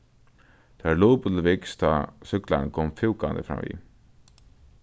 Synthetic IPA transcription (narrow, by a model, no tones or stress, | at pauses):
t̪ʰaluːpəlvɪkst̪ʰasʏkla̰nkʰɔːmfɪwka̰nd̪ə̰fɾa̰mːʋḭ